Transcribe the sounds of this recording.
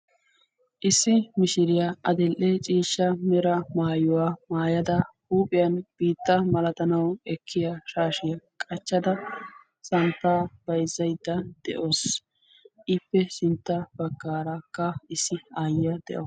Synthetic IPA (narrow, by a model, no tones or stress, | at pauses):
ʔɪsːɪmɪʃɪɾɪjaʔɐd̪ɪlʔɛt͡ʃʼiːʃːɐmɛɾɐmaːjʊwaːmaːjɐd̪ɐhuːpʼɪjɐnb̥iːt̪ːɐmɐlɐt̪ɐnɐwɛkʰːɪjaʃaːʃɪjɐkʼɐt͡ʃːɐd̪ɐ | sɐnt̪ːaːb̥ɐjzːɐjd̪ːɐd̪̥ɛʔoːs | ʔɪpːɛsɪnt̪ːɐb̥ɐɡːaːɾakːɐɪsːɪaːjɪjɐd̪ɛ̰ʔɔ